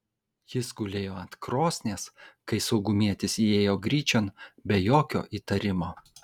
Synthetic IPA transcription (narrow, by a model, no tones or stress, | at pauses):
jɪsɡʊlʲeːjoːɐnt̪kɾoːsʲnʲeːskɐɪsɐʊɡʊmʲiɛt̪ʲɪsieːjoːɡɾʲiːt͡ʃʲonbʲɛjoːkʲo̰ːʔiːt̪ɐɾʲɪmoː